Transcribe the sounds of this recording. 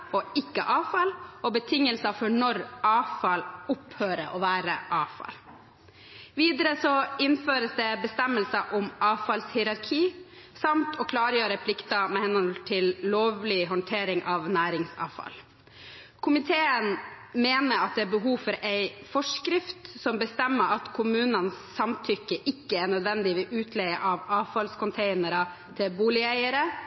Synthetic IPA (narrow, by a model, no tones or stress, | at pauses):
ɔɪkːə̰ʔɑːfɑlɔbət̪ʰɪŋːəlsɑfɔɳɔɾʔɑːfɑlʊphøːɾəʔɔʋæːɾəʔɑːfɑ̰l | ʋiːd̪əɾəsɔɪnføːɾəsd̪ɛbəst̪ɛmːəlsɑʔʊmʔɑːfɑlshɪɾɑɾkʰiː | sɑmt̪ʰɔkʰlɑːɾjøːɾəpʰlɪkt̪ɑmɛhɛnɔlt̪ʰɪlloːʋlɪɦɔnt̪ʰeːɾɪŋʔɑʋnæːɾɪŋsɑ̰ːʋfɑ̰l | kʰʊmɪt̪ʰeːənmeːnəɾɑt̪̚d̪ɛæːɾbəɦuːfɔɾæɪfɔʂkɾɪft̪sɔmbəst̪ɛmːəɑt̪kʰʊmʉːnənsːɑmt̪ʰʏkːəʔɪkːəæɳœd̪ʋɛnd̪ɪʋɪʔʉːt̪ʰlɛɪəʔɑʋɑːʋfɑlskʊnt̪ʰeɪnəɾɑ | t̪ʰɪlbuːlɪæɪəɾə